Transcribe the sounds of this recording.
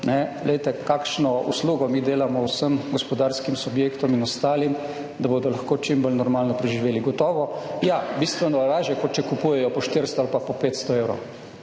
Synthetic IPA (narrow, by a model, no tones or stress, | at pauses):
nɛɡlɛjt̪ɛkaːkʃnɔṵsluːɡɔmiːd̪eːlamɔwsəmɡɔspɔd̪aːɾskimsubjeːkt̪ɔminɔst̪aːlim | d̪abod̪ɔlaxkoːt͡ʃimbɔlnɔɾmaːlnɔpɾɛʒiʋeːliɡɔt̪ɔːʋɔjabist̪ʋɛnɔlaːʒjɛkɔt͡ʃɛkupuːjɛjɔpɔʃt̪iɾst̪ɔalpapɔpeːt̪st̪ɔeːwɾɔ̰w